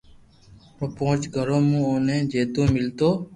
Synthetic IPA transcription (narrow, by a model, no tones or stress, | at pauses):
əpoʊt͡ʃɡʱəɾõːmũːoːnẽːd͡ʒeːt̪õːmɪlt̪oː